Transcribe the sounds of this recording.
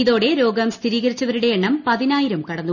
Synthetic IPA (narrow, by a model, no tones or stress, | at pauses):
iðo̞ːɽe̞ɾo̞ːɡɐmst̪ʰiɾiːɣɐɾit͡ɕːɐʋɐɾuɽe̞jeɳːɐmpɐðinaːjiɾɐmkɐɽɐnːu